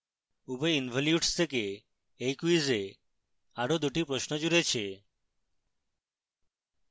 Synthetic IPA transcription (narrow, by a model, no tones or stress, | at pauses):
ubeinbʱɔljuɖst̪ʰekeː | jkuize | aɾod̪uʈipɾoʃnɔd͡ʒuɾet͡ʃʰe